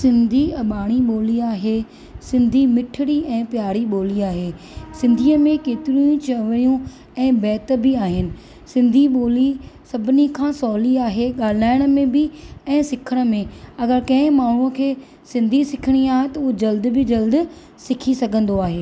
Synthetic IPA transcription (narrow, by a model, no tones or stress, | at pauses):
sɪ̃nd̪ʱiɐɓaːɽ̃iɓoːliaːɦeː | sɪ̃nd̪ʱimɪʈʰɪɽiɛ̃ːpjaːɽiɓoːliaːɦeː | sɪ̃nd̪ʱiːəmẽkeːt̪ɪɾiũt͡ɕɐʋɽijũ | ɛ̃ːbɛːt̪̆bɪaːɦɪnɪ̆ | sɪ̃nd̪ʱiɓoːlisɐbʱɪnikʰãːsɔːliaːɦeɠaːl̤aːɪɽ̃ə̆mẽbɪɛ̃ːsɪkʰəɽ̃ə̆mẽɐɡəɾkɐ̃ɪ̃maːɳ̤ũəkʰeː | sɪ̃nd̪ʱisɪkʰɪɽ̃iaːɦet̪ɐud͡ʑɐld̪bɪd͡ʑɐld̪ | sɪkʰisɐɡʱə̃nd̪oaːɦeː